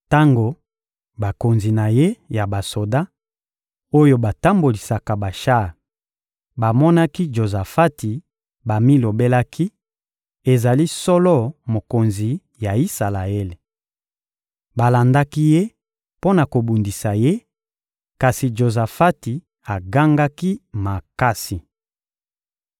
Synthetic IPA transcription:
ta˦ŋɡo˨ | ba˨ko˨nzi˨na˨je˦ja˨ba˨so˨da˦ | o˦jo˦ba˨ta˦mbo˨li˨sa˨ka˨ba˨ʃa˦˨ | ba˨mɔ˦na˦ki˦d͡ʒo˨za˨fa˦ti˨ | ba˨mi˦lo˨be˦la˦kʰi˦ | e˨za˨li˦sɔ˦lɔ˦mo˨ko˨nzi˨ | ja˨i˦sa˨la˨e˦le˨ | ba˨la˨nda˦ki˦je˦ | po˦na˨ko˨bu˨ndi˨sa˨je˦ | ka˨si˨d͡ʒo˨za˨fa˦ti˨ | a˨ɡa˦ŋɡa˦ki˦ma˨ka˦si˨

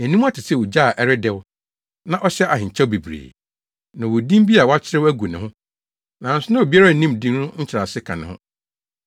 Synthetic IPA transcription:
æ˨nĩ˦m˦a˦tʰɪ˨sɛ˦˨wʊ˨d͡ʑaː˦˨ʔɛ˦ɾɪ˦dɛ˦w | nã˦˨ʔɔ˦ɕɛ˦ʔa˨ɦɪ̃˨ɲ̩˨t͡ɕʰɛ˦bi˨bɾḛː˨ | nã˨wʊ˨dĩ˦m˦bi˦a˨wɔ˦a˦t͡ɕʰɪ˦ɾɪ˦æ˦ɡu˨nɪ̃˨hʊ̃˦ | nã˨n̩˦sʊ˦nã˦wo˨bi˦a˦ɾa˦˨nĩ˦mdĩ˦nʊ̃˦ɲ̩˦t͡ɕʰɪ˨ɾa˨sɪ˦kʰã̰˨nɪ̃˨hʊ̰̃˦

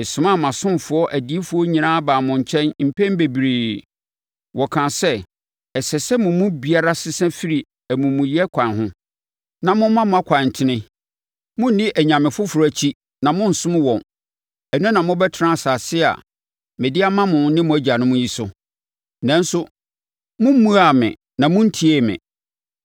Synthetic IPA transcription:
ɛ˨sʊ̃˨ma˦˨mã˨sʊ̃˦m˨fʊ˨˦ɔ˦ʔæ˨di˨˦e˦fʊ˦ɔ˦ɲĩ˨nãː˦baː˨mʊ̃˨ɲ̩˨t͡ɕʰɛ̃˦nm̩˨pʰɛ̃˦m˦be˨bi˨ɾeː˨ | wʔɔ˨kʰã˨sɛ˦ | ɛ˨sɛ˨sɛ˦mʊ̃˨mũ˦bi˨a˦ɾa˦sɪ˦sɛ̃˦fi˦ɾi˨ | æ˨mũ˨mũ˨jɛ˦kʷʰã˨nɦʊ̃˦ | nã˨mʊ̃˦mã˦mʊ̃˦a˦kʷʰã˨n˨tʰɪ˨nɪ̃˦ | mʊ̃˦n̩˦nɪ̃˦ʔæ˨ɲã˨mɪ̃˨fʊ˦fʊ˨ɾt͡ɕʰi˦ | nã˨mʊ̃˦n̩˨sʊ̃˦m̃˦wɔ̃˨n | ɛ˨nʊ̃˦nã˨mʊ̃˦bɛ˦tʰɪ˨˦ã˦a˨saː˨sɪ˦a̰˨ | mɛ̃˨dɪ˦a˦mã˦mʊ̃˨˦nɪ̃˦mʊ̃˨æ˦d͡ʑa˨nʊ̃˦mʊ̃˦ji˦sʊ˦ | nã˦n˦sʊ˦ | mʊ̃˦m˦mũ˦a˨mɪ̰̃˨ | nã˨mʊ̃˦n̩˦tʰi˦e˦mɪ̰̃˨

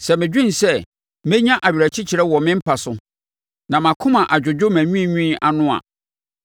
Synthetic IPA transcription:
sɛ˨mɪ̃˨d͡ʑᶣĩ˦n˨sɛ˦ | mẽ˦ɲã˦ʔa˨ɥi˨ɾæ˨t͡ɕʰi˦t͡ɕʰi˨ɾɛ˦wɔ˨mɪ̃˦m̩˦pʰa˨sʊ˦ | nã˨mã˨kʰʊ̃˦mã˨ʔa˨d͡ʑᶣʊ˨d͡ʑᶣʊ˦mæ̃˨ɲũ˦˨ɲũ˦˨ʔa̰˨nʊ̃˦a̰˨

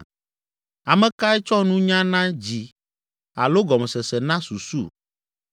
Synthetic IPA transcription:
a˨mɛ̃˨ka˦ɛ˦t͡ʃɔ˦nũ˦ɲã˦nã˦d͡ʑi˨ | a˨lo˦ɡɔ˨mɛ˨sɛ˨sɛ˨nã˦su˨sṵ˦˨

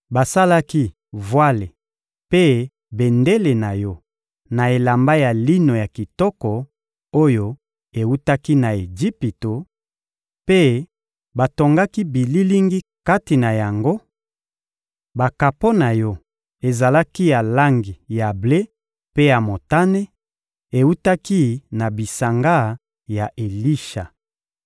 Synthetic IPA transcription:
ba˨sa˦la˦ki˦ | vwa˦le˨ | pe˦ | be˨nde˦le˨na˨jɔ˦ | na˨e˨la˨mba˦ja˨li˦no˨ja˨ki˨tɔ˦kɔ˨ | o˦jo˦ | e˨u˦ta˦ki˦na˨e˨d͡ʒi˦pi˨to˨ | pe˦ | ba˨to˨ŋɡa˦ki˦bi˨li˦li˦ŋɡi˦ka˦ti˨na˨ja˨ŋɡo˦ | ba˨ka˨po˦na˨jɔ˦ | e˨za˨la˦ki˦ja˨la˦ŋɡi˨ja˨ble˦ | pe˦ja˨mo˨ta˦ne˦ | e˨u˦ta˦ki˦na˨bi˨sa˨ŋɡa˦ | ja˨ʔe˨li˦ʃa˨

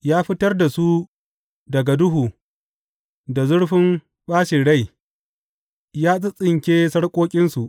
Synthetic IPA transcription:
jaː˦ɸɪ˦tɐ˦rda˨su˦ | dɐ˨ɡa˨dʊ˦ɦuː˨ | da˨zʊ˦ɽɸɪ˦m | ɓaː˦ʃɪ˨ɽa˦˨j | jaː˦sʼɪ˦sʼɪ˨ŋkʲeː˦sɐ˦ɽkʷʼoː˦kʲʼɪ˦nsu˨ʔ

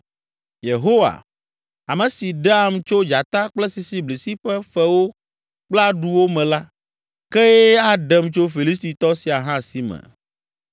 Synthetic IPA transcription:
je˨ɦo˦wa̰˨ | a˨mɛ̃˨si˨ɖa˦˨mt͡ʃo˦d͡ʒa˨t̪ã˦k͡plɛ˦si˨si˨˦bli˨si˦ɸɛ˦ɸɛ˦wo˦ | k͡pla˦ɖu˦wo˦mɛ̃˨la˦ | kɛ˦jɛ˦a˦ɖɛ˨mt͡ʃo˦fi˨li˦s̬t̪i˨t̪ɔ˦si˨a˨ɦã˦si˨mɛ̰̃˨

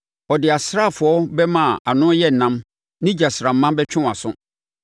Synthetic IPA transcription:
ɔ˨dɪ˨a˨sɾa˦˨fʊ˨ɔ˦bɛ˦mã˦˨a˨nʊ̃˦jɛ˦n̩˨nã˦m | nɪ̃˦d͡ʑa˨sɾa˨m̩˦mã˦bɛ˦t͡ɕᶣʊ̃˦˨a̰˨sʊ̰̃˦

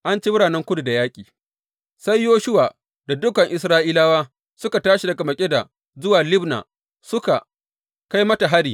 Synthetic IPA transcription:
ʔa˦nt͡ʃeː˦mʊ˦ɽaː˨nɛ˦ŋkʷʊ˦du˨da˨jaː˦kʲʼiː˨ | sa˦jːoː˦ʃʊ˦waː˨ | da˨dʊ˦kɐ˨ŋʔɪ˨s̬ɾaː˦ʔiː˦laː˦waː˦ | sʊ˦ka˨taː˦ʃi˨dɐ˨ka˨mɐ˨kʲʼe˦da˨ | zʊ˦waː˨lɪ˦bna̰ː˨ | sʊ˦ka˨ | ka˦jmɐ˦ta˨ɦa˦ɽiː˨

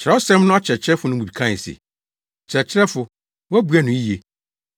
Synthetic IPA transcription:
t͡ɕʰɪ˨ɾɛ˦ɔ˦sɛ̃˦mnʊ̃˦a˦t͡ɕʰɾɛ˨t͡ɕʰɪ˦ɾɛ˦fʊ˨˦nʊ̃˦mũ˨bi˨kʰã˦˨sɪ̰˨ | t͡ɕʰɪɾɛ˨t͡ɕʰɪ˦ɾɛ˦fʊ˨ | wæ˦bu˨˦æ˦nʊ̃˨˦i˦je˨

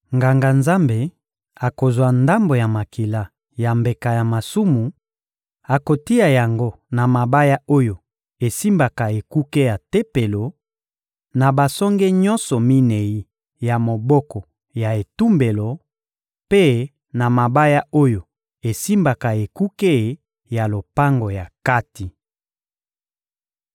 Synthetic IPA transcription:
ŋɡa˨ŋɡa˨nza˦mbe˨ | a˨ko˨zwa˨nda˦mbo˨ja˨ma˨ki˨la˦ | ja˨mbe˨ka˨ja˨ma˨su˦mu˨ | a˨ko˨ti˦a˨ja˨ŋɡo˦ | na˨ma˨ba˦ja˦o˦jo˨ | e˨si˦mba˨ka˨e˨ku˦ke˦ja˨te˦pe˨lo˨ | na˨ba˨sɔ˦ŋɡɛ˦ɲɔ˦nsɔ˨mi˦ne˨i˦ | ja˨mo˨bɔ˦kɔ˨ | ja˨e˨tu˦mbe˨lo˨ | pe˦ | na˨ma˨ba˦ja˦o˦jo˨ | e˨si˦mba˨ka˨e˨ku˦ke˦˨ | ja˨lo˨pa˦ŋɡo˨ja˨ka˦ti˨

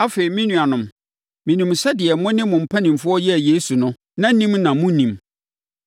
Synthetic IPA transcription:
a˦fe˨ɾi˨mĩ˦nũ˨a˨nʊ̃˨m | mĩ˨nĩ˨msɛ˦dɪ˨ɛ˨mɔ̃˦nɪ̃˦mʊ̃˨m̩˨pʰa˦nĩ˨m˨fʊ˦ɔ˦jɛ˦˨jeː˦su˨nʊ̃˦ | nã˦nĩ˦mnã˨mʊ̃˦nĩ˨m

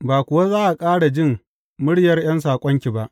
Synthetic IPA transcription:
baː˨kʷʊ˨wa˦zaː˦ʔa˨kʼaː˦ɽa˨d͡ʒɪ˦˨m | mʊ˦ɽjɐ˦rj̰ɐ˦ns̬aː˨kʷʼɔ˦ŋkʲi˨ba˦ʔ

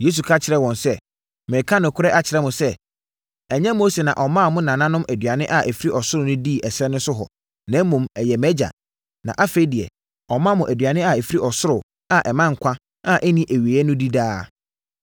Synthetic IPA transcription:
je˦s̬u˨kʰa˦t͡ɕʰɪ˨ɾɛ˦wɔ̃˨nsɛ˦ | mɛ̃˨kʰã˦nʊ̃˨kʰʊ˦ɾɛ˦ʔa˦t͡ɕʰɪ˨ɾɛ˦mʊ̃˨sɛ˦ | ɛ˨ɲɛ̃˦mo˦se˨nã˨ʔɔ˨mã˦˨mʊ̃˦nã˨nã˦nʊ̃˦mʔæ˨dɥa˨nɪ̃˦ʔa˨ʔæ˨fi˦i˦ʔɔ˨sʊ˦ɾʊ˨nʊ̃˦di˦˨ʔɛ˨sɾɛ˦nʊ̃˦sʊ˦ɦɔ̰˨ | nɛ̃˦m˦mːũ˨mɛ˨jɛ˨mɛ˦d͡ʑa̰˨ | nã̰˨ʔa˦fe˦di˨ɛ̰˨ | ɔ˨mã˦mʊ̃˨ʔæ˨dɥa˨nɪ̃˦a˨æ˨fi˦ɾi˦ʔɔ˨sʊ˦ɾʊ˨ | a˦˨ʔɛ˨mã˦ŋ̩˨kʷʰã˦ | ã˦ʔɛ˦nĩ˦ʔæ˨ɥi˨ɛ˦nʊ̃˦di˦daː˦

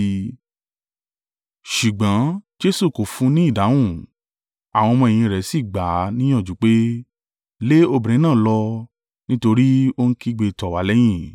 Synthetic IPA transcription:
ʃu˨ɡ͡bɔ̃˨˦d͡ʒe˦su˦˨ko˨fũ˧˦nĩ˦i˦˨da˨˦wũ˦˨ | a˨w̃ɔ̃˧mɔ̃˧e˨j̃ĩ˧˨ɾɛ˨˦si˦˨ɡ͡ba˨˦nĩ˦j̃ɔ̃˦˨d͡ʒu˨˦k͡pe˦ | le˦o˦˨bĩ˨ĩ˨˦nãː˦˨lɔ˧ | nĩ˦to˧ɾi˦o˧n̩˦ki˦ɡ͡be˧tɔ˨wa˨˦lɛ˦j̃ĩ˦˨

